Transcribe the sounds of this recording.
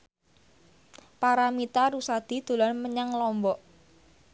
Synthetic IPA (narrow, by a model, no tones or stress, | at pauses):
paɾamit̪aɾusad̪̥i̤d̪̥o̤lɔnməɲaŋlɔmbɔʔ